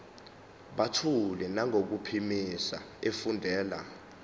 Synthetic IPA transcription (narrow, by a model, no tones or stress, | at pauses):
ɓatʰulɛnaŋok̬upʰimisa̰ | efundʱɛːla̰